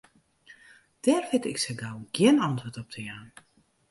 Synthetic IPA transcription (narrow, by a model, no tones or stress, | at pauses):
d̥ɛːrfɪtɪ̰ksəɡawɡjɪənɑntʋotɔp̚tʰəjaːn